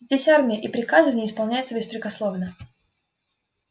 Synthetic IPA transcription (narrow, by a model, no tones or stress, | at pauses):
zʲdʲesʲarmʲɪjəʔipɾʲɪkazɨvənʲɪəɪspɐlˠnʲæjɪt̪səbʲɪspɾʲɪkɐslˠovnə